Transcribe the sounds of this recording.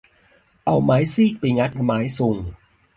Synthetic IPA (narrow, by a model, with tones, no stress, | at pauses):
ʔa˧˩wmaː˨˦jsiː˥˩k̚piː˧˩ŋa˦˥t̪̚maː˨˦jsu˨˧˩ŋ